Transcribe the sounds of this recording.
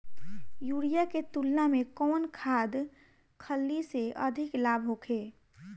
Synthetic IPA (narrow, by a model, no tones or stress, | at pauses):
juɽijaket̪ulnamẽkɔːnkʰaːd̪ | kʰəlːiseʔəd̪ʱɪklaːbʱɦokʰeː